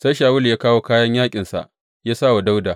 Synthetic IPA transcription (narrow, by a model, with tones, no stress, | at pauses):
sa˦jʃaː˨wʊ˦ljaː˦kaː˦woː˦kaː˦jɐ˦ɲjaː˦kʲʼɪ˨nsa̰˨ʔ | jaː˦saː˦wa˨da˦wdaː˨